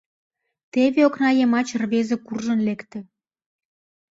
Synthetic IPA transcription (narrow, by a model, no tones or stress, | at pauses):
t̪eβeoknɑjemɑt͡ɕrβezĕkurʒənlekt̪ĕ